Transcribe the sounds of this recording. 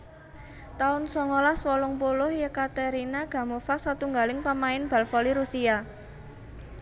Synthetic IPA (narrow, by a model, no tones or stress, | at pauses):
t̪aʊnsɔŋɔlaswɔlʊŋpulʊhjəkat̪eɾinaɡ̥a̤mofasat̪uŋɡalɪŋpamaɪnb̥a̤lfɔliɾusia